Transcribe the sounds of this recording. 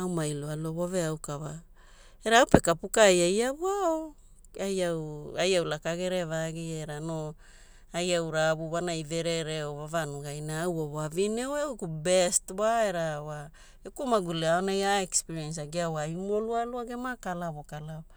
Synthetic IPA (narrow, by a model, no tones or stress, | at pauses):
awmajlualuaβoveawkava | eɾaawpe̞kapukajajaβuao | ajawajawlakaɡe̞ɾevaɡieɾano | ajawɾabuβanajve̞ɾeɾeovavanuɡajnaːwoβavinewewkubestwaeɾawa | ekumaɡuleaonajaekspiɾiens̬aɡeawaimolualuaɡemakalaβokalao